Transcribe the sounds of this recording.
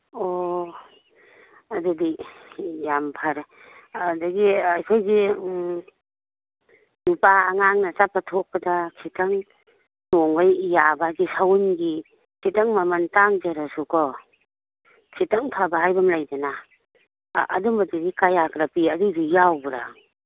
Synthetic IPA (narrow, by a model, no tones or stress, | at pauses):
o | adudi | jampʰaɾ | daɡiajkʰojɡi | nupaːŋaŋnat͡ʃapatʰok̚padakʰitaŋ | noŋɡajjabaɡisawnɡi | kʰitaŋmamantaŋd͡ʒaɾasukʰɔ | kʰitaŋpʰabaɦajbamlajdana | ʔːdumaduɡikajaɡɾapiɐdudijawbɾa̰